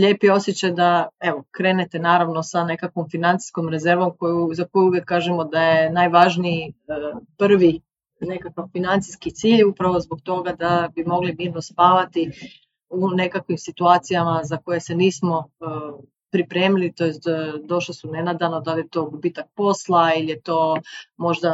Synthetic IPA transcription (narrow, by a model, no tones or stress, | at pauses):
ʎe̞ːpijeo̞sjet͡ɕad̪ae̞ʋokɾe̞ːnet̪enaːɾaʋno̞sane̞kakʋomfinant̪si̥sko̞mɾe̞ze̞ɾʋo̞mkojuzako̞juuʋjekːaːʒemo̞d̪ajenajʋaʒniiəpr̩ʋi | ne̞kakaʋfinant̪si̥skit̪siːʎupɾaʋo̞zbo̞ɡt̪o̞ɡad̪abimo̞ɡlimiːɾnospaːʋat̪i | une̞kakʋimsit̪uaːt̪sijamazako̞je̞se̞niːsmo̞ | pɾipɾe̞ːmilit̪o̞jest̪ːd̪o̞ʃlisune̞nad̪anod̪alijet̪o̞ːbubiːt̪ak̚po̞slˠailije̞t̪o̞ːmo̞ʒd̪a